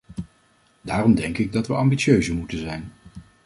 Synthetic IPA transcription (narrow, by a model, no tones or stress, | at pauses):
daːrɔmdɛŋkɪɡ̚dɑtʋəʔɑmbisøɥzəmutənzɛjn